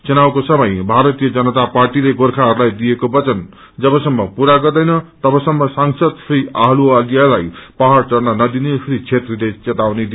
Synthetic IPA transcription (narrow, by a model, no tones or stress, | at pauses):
t͡sʌnawkosʌmʌjbʱaɾʌt̪ijʌd͡zʌnʌt̪aparʈileɡorkʰaɦʌɾulajd̪ijekobʌt͡sʌn | d͡zʌbʌsʌmːʌpuɾaɡʌrd̪ʌjnʌt̪ʌbʌsʌmːʌsaŋsʌd̪sʌjaɦlualijalajpaɦart͡sʌrnʌnʌd̪inesɾit͡sʰet̪rilet͡sʌt̪awned̪i